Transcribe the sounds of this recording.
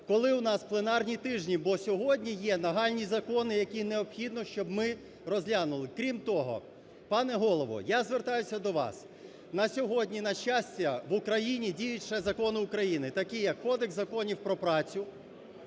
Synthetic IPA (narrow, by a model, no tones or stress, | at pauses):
kɔlˠɪwnɑsplˠenɑrnʲit̪ɪʒnʲibɔsʲɔɦɔdʲnʲijɛnɐɦɑlʲnʲizɐkɔnɪjɐkʲineɔpxʲid̪nɔʃt͡ʃɔbmɪ | rɔzʲlʲanʊlˠɪkɾʲimt̪ɔɦɔ̰ | pɑnɛɦɔlˠɔʋɔ̰jazʋert̪ɑjʊsʲɐd̪ɔʋɑ̰s | nɐsʲɔɦɔdʲnʲinɐʃt͡ʃːasʲtʲɐʋʊkɾɐjinʲidʲijʊtʲʃɛzɐkɔnɪʊkɾɐjinɪt̪ɐkɪjɐkːɔd̪eɡzɐkɔnʲiwpɾɔpɾɑt͡sʲʊ